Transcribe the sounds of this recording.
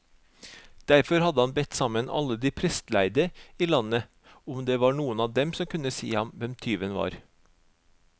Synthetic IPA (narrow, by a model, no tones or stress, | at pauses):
d̪̥æɾfɔɾhɑd̪əhɑnbɛt̪sɑmənɑ̰lːəd̪iːpʰɾɛst̪læɪd̪əiːlɑnə | ʊmd̪eːʋɑːɳuːənɑːd̪ɛmsɔmkʰʉnəsḭːhɑmʋɛmt̪ʰyːʋənʋɑ̰ːɾ